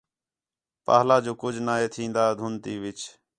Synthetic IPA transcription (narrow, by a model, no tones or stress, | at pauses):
pa̰ːɦlaːd͡ʒoːkʊd͡ʒʱnaːɦeːt̪ʰĩːnd̪aːd̪ʱʊnt̪iːʋɪt͡ʃ